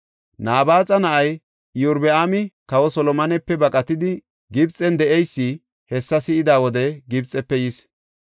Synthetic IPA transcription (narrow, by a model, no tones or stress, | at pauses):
naːbaːt͡sʼɐnɐʔɐj | jʊɾbɛʔaːmɪkɐwɔsɔlɔmɐnɛpːɛbɐkʼɐt̪ɪd̪ɪ | ɡɪbt͡sʼɛnd̪ɛʔɛjsːɪ | hɛsːɐsɪɪd̪aːwɔd̪ɛɡɪbt͡sʼːɛpːɛjɪs